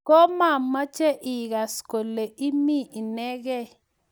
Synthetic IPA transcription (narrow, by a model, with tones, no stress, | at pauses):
kɔ˦ma˦˨ma˦t͡ʃɛ˦ʔi˨ka˨sko˨le˨ʔi˦mi˦ʔi˨nɛ˦k̬ɛ˦˨